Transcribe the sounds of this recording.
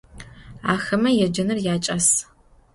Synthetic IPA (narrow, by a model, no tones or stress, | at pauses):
aːxɐmɐjɛd͡ʒɐnɨrjaːt͡ʃʼɐs